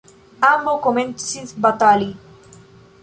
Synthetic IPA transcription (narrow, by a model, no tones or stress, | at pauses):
ambokoment̪siθbat̪ali